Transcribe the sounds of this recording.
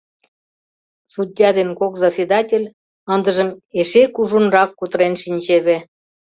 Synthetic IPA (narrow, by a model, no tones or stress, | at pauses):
sud̪ʲjɑd̪enkokzɑsʲed̪ɑtʲelʲ | ənd̪əʒəmeʃekuʒunrɑkːut̪ɾenʃinʲt͡ɕeβĕ